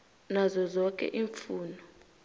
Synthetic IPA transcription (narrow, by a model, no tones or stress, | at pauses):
nazɔzɔkʼɛ̰ʔiːɱfuːnɔ